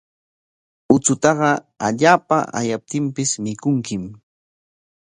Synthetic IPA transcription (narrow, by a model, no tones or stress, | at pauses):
ʊt͡sʊt̪ɑɢɑ | aʎaːpaʔa̰jap̚t̪ɪmpɪsmɪkʊŋkɪm